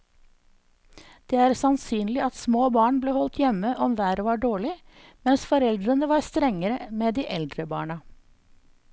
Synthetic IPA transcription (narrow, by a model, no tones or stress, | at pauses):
d̪̥eːæːɾsɑnsyːnlɪʔɑt̪smoːbɑːɳbleːhɔlt̪jɛməʔɔmʋæːɾʋɑɖoːɭɪ | mɛnsfɔɾɛld̪ɾənəʋɑɾst̪ɾɛŋːəɾəmeːd̪iːʔɛld̪ɾəbɑ̰ːɳɑ